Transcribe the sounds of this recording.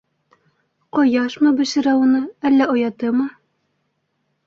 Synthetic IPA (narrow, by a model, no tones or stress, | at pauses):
qɒjɑʃmɤbɘ̆ʃɘ̆ɾæunɤælːæŏjɑt̪ɤmɤ